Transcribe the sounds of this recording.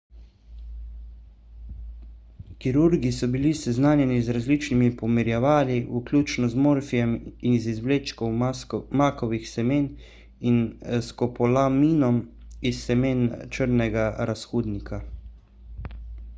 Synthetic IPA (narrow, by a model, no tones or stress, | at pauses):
kiɾuɾɡisɔbilisɛznaːnjɛnizɾazlit͡ʃnimipɔmiɾjɛʋaːliʔuklʲuːt͡ʃnɔzmoːɾfijɛminzizʋleːt͡ʃkɔwmakɔʋixsɛmeːn | inskɔpɔlamiːnɔmisːɛmeːnt͡ʃəɾnɛɡaɾasxuːd̪nikʰa